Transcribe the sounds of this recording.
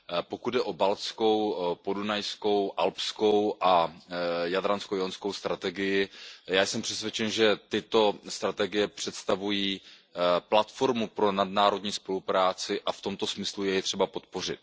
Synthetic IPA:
po̞kud̪dɛʔo̞balsko̞wpo̞dunajsko̞wʔalpsko̞wʔa | jadɾanskowjonskowst̪ɾat̪ɛɡɪjɪjaːjsɛmpr̥ɛsvjɛt͡ʃɛnʒɛt̪ɪt̪o̞st̪ɾat̪ɛɡɪjɛpr̝̥ɛt̪st̪avujiː | plat̪fo̞ɾmupɾo̞nadnaːɾo̞dɲiːspo̞lupɾaːt͡sɪʔaft̪o̞mt̪o̞smɪslujɛjɛt̪r̝̥ɛbapo̞t̪̚po̞r̝ɪt̪̚

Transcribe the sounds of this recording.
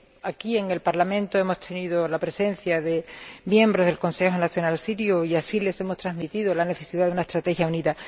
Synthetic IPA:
akie̞ŋe̞lpaɾlamẽnt̪oe̞mo̞st̪ʰe̞niðolapɾe̞se̞n̟θjaðe̞mje̞mbɾo̞zðelko̞nse̞xo̞naθjo̞nalsiɾjuiasile̞se̞mo̞st̪ɾazmit̪iðolane̞θe̞siðaðunaest̪ɾat̪e̞xjauniða

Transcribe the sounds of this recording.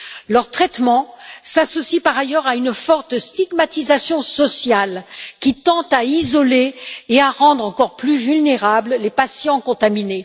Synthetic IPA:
lœʁt̪χɛt̪mɑ̃sasɔsipaʁajœʁaynfɔʁt̪st̪iɡmat̪izasjɔ̃sɔsjalkʲit̪ɑ̃t̪aizɔleːaʁɑ̃d̪ʁɑ̃kɔʁplyvylneʁabllepasjɑ̃kɔ̃t̪amine

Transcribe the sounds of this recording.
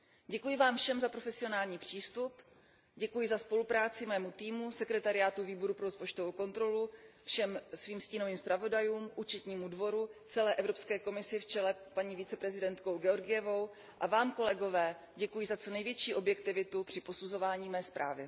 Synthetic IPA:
ɟɛkujɪvaːmfʃɛmzapɾo̞fɛsɪo̞naːlɲiːpr̝̥iːst̪up | ɟɛkujɪzaspo̞lupɾaːt͡sɪmɛːmut̪iːmusɛkɾɛt̪aɾɪaːt̪uviːbo̞ɾupɾo̞ɾospo̞t͡ʃt̪ovowko̞nt̪ɾo̞lufʃɛmsviːmsciːno̞viːmspɾavo̞dajuːmʔut͡ʃɛt̪ɲiːmudvo̞ɾut͡sɛlɛːʔɛvɾo̞pskɛːko̞mɪsɪft͡ʃɛlɛpaɲiːvɪt͡sɛpɾɛzɪdɛnt̪ko̞wɡɛo̞ɾɡɪjɛvo̞w | ʔavaːmko̞lɛɡo̞vɛː | ɟɛkujɪzat͡so̞nɛjvjɛt͡ʃiːʔo̞bjɛkt̪ɪvɪt̪upr̥ɪpo̞suzo̞vaːɲiːmɛːspɾʔa̰ːvɪ

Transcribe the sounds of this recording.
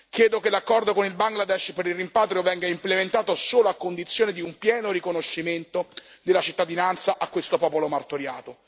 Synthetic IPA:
kjɛːd̪okelakːɔrd̪okonilbaŋɡlad̪ɛʃpeɾilrimpaːt̪ɾjovɛŋɡaimplement̪aːt̪osoːloakːond̪it̪sːjoːned̪iumpjɛːnoɾikonoʃːiment̪od̪elːat͡ʃit̪ːad̪inant̪saʔakːwest̪opɔːpolomart̪oɾja̰ːt̪o

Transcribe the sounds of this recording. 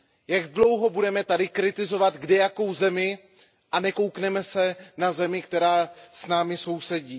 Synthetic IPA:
jaɡdlo̞wɦo̞budɛmɛt̪adɪkɾɪt̪ɪzo̞vat̪ɡdɛjako̞wzɛmɪ | ʔanɛko̞wknɛmɛsɛnazɛmɪkt̪ɛɾaːsnaːmɪso̞wsɛɟiː

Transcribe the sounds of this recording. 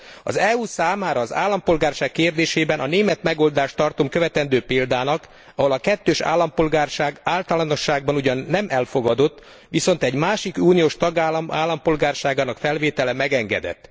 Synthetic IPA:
ɒ̰zɛuːsaːmaːɾɒːza̰ːlːɒmpo̞lɡaːrʃaːkːeːrd̪eːʃeːbɛnʔɒneːmɛt̪mɛɡo̞ld̪aːʃt̪ɒrt̪omkøvɛt̪ɛnd̪øːpeːld̪aːnɒk | ɒɦo̞lɒkɛt̪ːøːʃa̰ːlːɒmpo̞lɡaːrʃaːɡaːlt̪ɒlɒno̞ʃːaːɡ̚bɒnuɟɒnːɛmʔɛlfo̞ɡɒd̪o̞t̪ː | ʋiso̞n̪t̪ɛɟmaːʃikuːnijoːʃt̪ɒɡaːlɒmaːlːɒmpo̞lɡaːrʃaːɡaːnɒkfɛlveːt̪ɛlɛmɛɡɛŋɡɛ̰d̪ɛ̰t̪ː

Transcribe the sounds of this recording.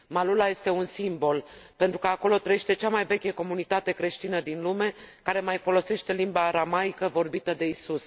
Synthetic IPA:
malulaje̞st̪e̞unsimbo̞lpe̞nt̪ɾukəako̞lo̞t̪ɾəjeʃt̪e̞t͡ʃamajve̞kʲeko̞munit̪at̪e̞kɾe̞ʃt̪inəd̪inlume̞kaɾe̞majfo̞lo̞se̞ʃt̪e̞limbaːɾamajkəvo̞rbit̪əd̪e̞isus

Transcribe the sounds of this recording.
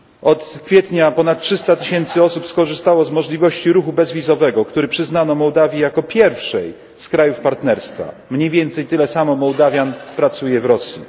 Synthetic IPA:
ɔt̪kfʲjɛt̪ɲapɔnat̪̚tʂɘst̪at̪ɘɕɛnt̪sɘɔsupskɔʐɘst̪awɔzmɔʐlʲivɔɕt͡ɕiɾuxubɛzvʲizɔvɛɡɔkt̪uɾɘpʂɘznanɔmɔwd̪avʲjijakɔpʲjɛɾfʂɛj | skɾajufpaɾt̪nɛɾst̪fa̰mɲejvʲjɛnt̪sɛjt̪ɘlɛsamɔmɔwd̪avʲjanpɾat̪sujɛvɾɔsʲjḭ

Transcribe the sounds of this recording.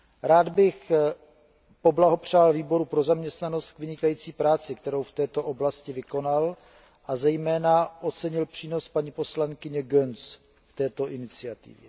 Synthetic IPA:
ɾaːd̪bɪx | po̞blaɦo̞pr̝̥aːlviːbo̞ɾupɾo̞zamɲɛst̪nano̞st̪kvɪɲɪkajiːt͡siːpɾaːt͡sɪkt̪ɛɾowft̪ɛːt̪o̞ʔo̞blascɪvɪko̞nal | ʔazɛjmɛːnaʔo̞t͡sɛɲɪlpr̥iːno̞spaɲipo̞slaŋkɪɲɛɡøns | ft̪ɛːt̪o̞ʔɪnɪt͡sɪat̪ɪ̰vjɛ

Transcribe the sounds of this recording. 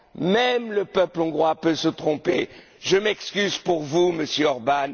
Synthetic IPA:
mɛmləpœplɔ̃ɡʁwapøsət̪χɔ̃pe | ʒəmɛkskʲyzpuʁvuməsjøɔʁban

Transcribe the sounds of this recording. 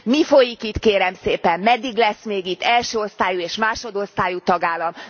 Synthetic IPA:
mifo̞jikit̪keːɾɛmseːpɛmmɛd̪ːiɡlɛsmeːɡit̪ːɛlʃøːo̞st̪aːjueːʃmaːʃo̞d̪o̞st̪aːjut̪ɒɡaːlːɒm

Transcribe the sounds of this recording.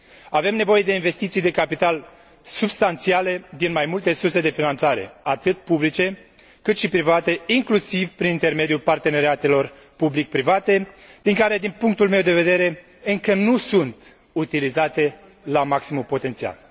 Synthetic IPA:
ave̞mne̞vo̞je̞d̪e̞inve̞st̪it̪sijd̪e̞kapit̪al | subst̪ant̪siale̞d̪inmajmult̪e̞surse̞d̪e̞finant̪saɾe̞̰at̪ɨt̪̚publit͡ʃe̞ | kɨt̪ʃipɾivat̪e̞iŋklusivpɾinint̪e̞rme̞d̪julpart̪e̞ne̞ɾeat̪e̞lo̞r | publik̚pɾivat̪e̞d̪̥iŋkaɾe̞d̪inpuŋk̚t̪ulme̞wd̪e̞ve̞d̪e̞ɾe̞ | ɨŋkənusunt̪ | ut̪ilizat̪e̞ | lamaksimumpo̞t̪e̞nt̪sia̰l

